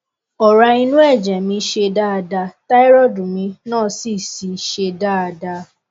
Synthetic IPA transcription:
ɔ˨ɾa˧i˧nũ˦ɛ˦˨d͡ʒɛ̃˨mĩ˧˦ʃe˧da˦a˧da˧ta˦i˦ɾɔ˦˨dũ˨mĩ˧nãː˦˨si˦˨si˨ʃe˧da˦a˧da˧

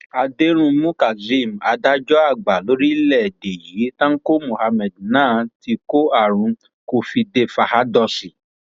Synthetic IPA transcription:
a˧de˦ɾ̃ũ˧mũ˦ka˨zi˦˨m̩˨a˧da˦d͡ʒɔ˦a˦˨ɡ͡ba˨lo˨˦ɾi˦lɛ˦˨de˨ji˨˦tã˦ŋ̩˦ko˦mo˨ha˧mɛ˨d̚nãː˦˨ti˧ko˦a˦˨ɾ̃ũ˧ | ko˧fi˧de˧fa˧ha˦dɔ˧si˨

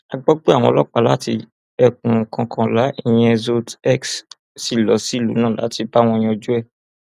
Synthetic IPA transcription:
a˧ɡ͡bɔ˦k͡pe˦a˦˨w̃ɔ̃˧lɔ˦k͡pa˨˧˨la˦ti˧ | ɛ˧kũ˨kʰã˧kʰã˧la˨˦i˦˨j̃ɛ˧zo˦tɛ˦˨ks | si˨lɔ˨˦si˦˨lṵ˨˦nãː˦˨la̰˨˦ti˧ba˦w̃ɔ̃˧j̃ĩ˧ɔ˧d͡ʒu˦ɛ˦˨

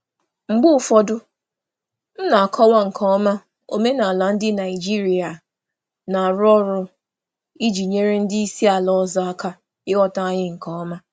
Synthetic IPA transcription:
ŋ͡m̩˨ɡ͡bʊ˦˨fɔ˦dʊ˦ | n̩˦na˨kʰɔ˦wa˦ŋ̩˨kʰɔ˦ɔ˦ma˦ | o̰˨me˦na˨la˨n̩˦dɪ˦na˨i˨d͡ʒi˦ɾi˨a˨ | na˨ɾɔ˦ɾʊ˦ | i˦d͡ʒi˨ɲe˦ɾe˦n̩˦di˦i˦si˦a˨lɔ˦ɔ˦zɔ˦a˦ka˦ | ɪ˦wɔ˦ta˦a˦ɲɪ˦ŋ̩˨kɔ˦ɔ˦ma˦

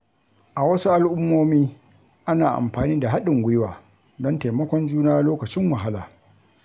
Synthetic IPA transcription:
ʔa˨wɐ˦su˦ʔa˦˨lʔʊ˦mːoː˦miː˦ | ʔa˦naː˨ʔa̰˨mɸaː˨niː˦da˨ɦa˦ɗɪ˨ŋɡʷʊ˦jwaː˨ | dɔ˦nta˨mɐ˦kʷɔ˦nd͡ʒuː˦naː˦loː˦kɐ˨t͡ʃɪ˦ŋwɐ˨ɦa˦laː˨

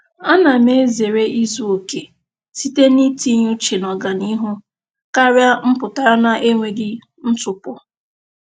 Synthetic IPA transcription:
a˦na˨me˦ze˨ɾe˦ʔi˦zu˦o˨ke˨ | si˦te˦ni˦ti˦ɲu˦t͡ʃe˨nɔ˨ɡa˨ni˦ɦʊ˦ | ka˦ɾja˦m̩˦pʊ˨ta˨ɾa˦na˨ʔe˦ŋʷe˨dɪ˦ | n̩˦tʊ˨pʊ˦

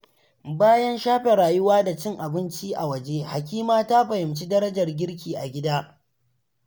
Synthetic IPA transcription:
baː˦jɐ˦nʃaː˦ɸe˨ɾaː˨jʊ˦waː˦da˨t͡ʃɪ˦ŋʔa˨bɪ˦nt͡ʃiː˦ʔa˨wɐ˦˨d͡ʒeː˦ha˨kʲiː˦maː˦ta˦ɸɐ˨hɪ˨mt͡ʃiː˦dɐ˦ɾɐ˦d͡ʒɐ˨rɡʲɪ˦ɽk̬ʲiː˨ʔa˨ɡʲɪ˦daː˦

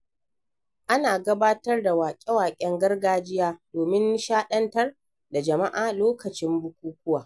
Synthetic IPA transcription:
ʔa˦naː˨ɡɐ˦baː˦tɐ˦rda˨waː˨kʲʼɛ˦waː˨kʲʼɛ˦ŋɡɐ˦rɡaː˦d͡ʒɪ˦jaː˦d̥oː˨mɪ˦n˦ʃaː˦ɗɐ˦ntɐ˦r | da˨d͡ʒɐ˨ma˦ʔaː˨loː˦kɐ˨t͡ʃɪ˦mbʊ˦kʷuː˦kʷʊ˦waː˨

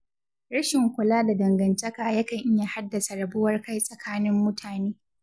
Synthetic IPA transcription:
ɾɐ˦ʃɪ˨ŋkʷʊ˨laː˦da˨dɐ˨ŋɡɐ˨ntɐ˦kaː˨jɐ˦kɐ˨ŋʔɪ˦ja˨ha˦dːɐ˨sa˨ɽɐ˨bʊ˦wɐ˦rka˦jsʼɐ˨kʰaː˦nɪ˦mːʊ˦tʰaː˨neː˦

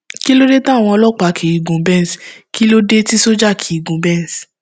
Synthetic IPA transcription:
ki˦lo˦ɾe˦ta˦˨w̃ɔ̃˧ɔ˧lɔ˦k͡pa˧˦˨kʰi˨i˨ɡũ˨bɛ̃˦˨skʰi˦lo˦de˦ti˦so˦d͡ʒa˦˨kʰi˨i˨ɡũ˨bɛ̃˦˨s

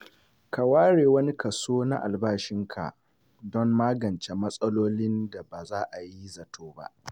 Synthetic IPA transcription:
ka˨waː˦ɽeː˨wɐ˦ni˦kɐ˨soː˦na̰˦ʔa̰˨lbaː˦ʃɪ˦ŋkʰa̰˨ | dɔ˦mːaː˦ɡɐ˨nt͡ʃe˨mɐ˦sʼɐ˦loː˦lɪ˦nda˨ba˨zaː˦ʔa˨ji˦zɐ˨tʰoː˦ba̰˦ʔ

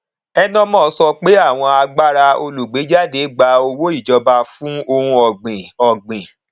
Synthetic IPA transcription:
ɛ˦nɔ̃˦mɔ̃ː˦˨˧sɔ˧k͡pe˦a˦˨w̃ɔ̃˧a˧ɡ͡ba˦ɾa˧o˧lu˨ɡ͡be˨˦d͡ʒa˦de˨˦ɡ͡ba˧o˧wo˦i˦˨d͡ʒɔ˧ba˧fũ˦o˧ɾũ˧ɔ˨ɡ͡bẽ˨ɔ˨ɡ͡bẽ˨

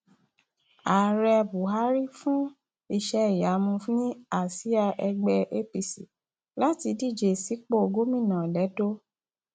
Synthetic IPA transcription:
a˨ɾɛ˧bu˨ɦa˨˦ɾi˦fũ˦ | i˧ʃɛ˧i˨ja˨˦mũ˧fnĩ˦a˦˨si˦a˧ʔɛ˧ɡ͡bɛ˧ʔe˦pi˧si˨ | la˦ti˧di˦˨d͡ʒe˨si˨˦k͡po˦o˨˧ɡo˦mĩ˦˨nã˨lɛ˨˦do˦

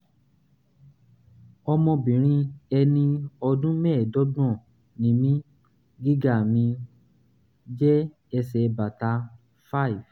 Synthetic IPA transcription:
ɔ˧mɔ̃˧bĩ˨ɾ̃ĩ˧ɛ˧nĩ˧ɔ˧dũ˦mɛ˦˨dɔ˦b̃ɔ̃˦˨ | nĩ˨mĩ˦ | ɡi˦ɡa˦˨mĩ˧ | d͡ʒɛ˦ | ɛ˧sɛ˨ba˨ta˧ | fa˦˨i˨v

